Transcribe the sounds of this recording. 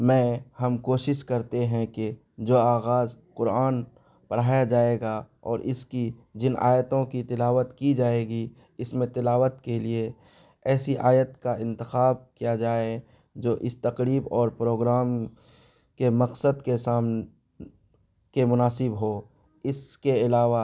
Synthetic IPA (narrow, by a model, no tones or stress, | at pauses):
mɛ̃ːhɐmkoːʃɪʃkɐɾt̪eɦɛ̃ke | d͡ʒoːaːɣaːzqʊɾaːn | pɐɽɦaːjad͡ʒaːeːɡa | ɔ̰ːɾʔɪskid͡ʒɪna̰ːjət̪õkit̪ɪlaːʋət̪kid͡ʒaːeːɡi | ɪsmẽt̪ɪlaːʋət̪kelie | ɛːsiʔaːjət̪kaɪ̃nt̪ɪxaːb̚kijad͡ʒaːe | d͡ʒoːʔɪst̪ɐqɾiːbɔːɾpɾoːɡɾaːm | kemɐqsəd̪kesaːmn | kemʊnaːsɪbɦo | ɪskeɪlaːʋa